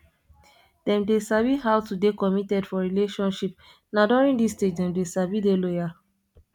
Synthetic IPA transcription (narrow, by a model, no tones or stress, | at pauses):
d̥ɛ̃mdesaviɦawtudekɔmitɛdfɔɹileʃɔ̃nʃip̚ | nadɔɹĩndisted͡ʒdɛ̃mdesavidelɔja